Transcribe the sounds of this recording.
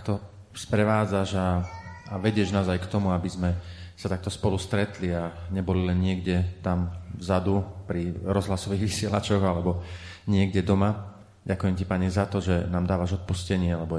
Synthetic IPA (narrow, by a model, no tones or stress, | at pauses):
k̚t̪ɔ | spɾɛʋaːd͡zaʒaː | ʋɛɟɪɛʒnaːzajkt̪ɔmuabizmɛsat̪ak̚t̪ɔspɔlust̪ɾɛt̪liaɲɛbɔlilɛnɲɪɛɡɟɛt̪amvzad̪upɾiɾɔzɦlasɔʋiːɣʋisɪɛlat͡ʃɔɣalɛbɔ | ɲɪɛɡɟɛd̪ɔma | ɟakujɛmcipaɲɛzat̪ɔʒɛnaːmd̪aːʋaʒɔt̪̚puscɛɲɪɛalɛbɔ